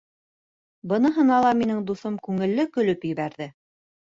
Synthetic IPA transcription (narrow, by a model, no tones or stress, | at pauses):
bɤ̆nɤ̆ɦɤ̆nɑlˠɑminɘŋd̪uθomkʉŋɘ̆lːɘkɵ̆lɵpjɘ̆βæɾðɘ